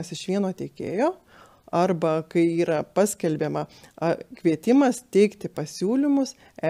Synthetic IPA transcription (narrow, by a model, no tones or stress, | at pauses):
ɐsɪʃʋʲiɛnoːt̪ʲeːkʲḛːjoː | ɐrbɐkɐɪiːɾɐpɑːsʲkʲɛlʲbʲeːmɐɐkʋʲiɛt̪ʲɪmɐst̪ʲɛɪkt̪ʲɪpɐsʲuːlʲɪmʊs | ɛ